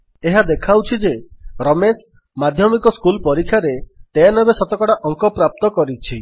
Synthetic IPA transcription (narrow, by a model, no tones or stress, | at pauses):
eɦad̪ekʰawt͡ʃʰid͡ʒeɾɔmes | mad̪ʱjɔmikɔskulpɔɾikʰjaɾet̪eanɔbesɔt̪ɔkɔɽaʔɔŋkɔpɾap̚t̪ɔkɔɾit͡ʃʰi